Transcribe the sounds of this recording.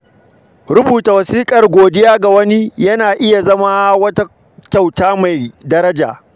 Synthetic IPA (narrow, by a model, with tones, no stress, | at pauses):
ɾʊ˦buː˨ta˨wɐ˨siː˦kʼɐ˨rɡʷoː˨dɪ˦jaː˦ɡa˨wɐ˦ni˦jɐ˦naː˨ʔɪ˦ja˨zɐ˦ma˦wɐ˦ta˦ | kʲa˦˨wtaː˦ma˨jdɐ˦ɾɐ˦d͡ʒa̰ː˨